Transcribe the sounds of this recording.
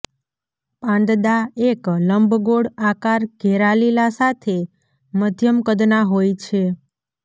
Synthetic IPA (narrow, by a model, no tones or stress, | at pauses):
pãnd̪d̪aekləmbʱɡoɽakaɾɡʱɛɾalilasat̪ʰe | məd̪ʱjəmkəd̪naɦojt͡ʃʰe